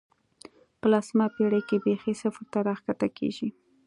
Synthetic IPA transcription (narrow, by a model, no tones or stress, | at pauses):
pəlasmapeɽəjkebexesafəɾt̪aɾaxkat̪akḛʒi